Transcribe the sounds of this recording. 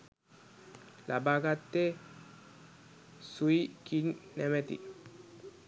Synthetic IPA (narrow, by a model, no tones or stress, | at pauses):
labaɡat̪ːe | suikinnɛmɛt̪ḭ